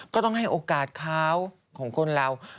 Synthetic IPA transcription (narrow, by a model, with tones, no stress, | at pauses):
kɔː˥˩t̪ɔ˥˩ɦa˥˩jʔoː˧kaː˨˩t̪̚kʰaː˦˥w | kʰɔː˩˦ŋkʰo˧nɾa˧w